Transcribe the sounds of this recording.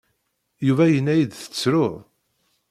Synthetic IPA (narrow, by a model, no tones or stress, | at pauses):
juvæjənːæjid̪θə̥t͡sːɾʊðˤ